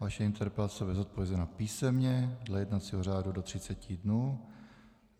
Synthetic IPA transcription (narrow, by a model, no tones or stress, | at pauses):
vaʃɛɪnt̪ʰɛɾpasobɛzot̪̚povjɛzɛnapiːsɛmɲɛdlɛjɛdnat͡siɦor̝aːdudot̪r̝̥ɪt͡sɛcɪdnuː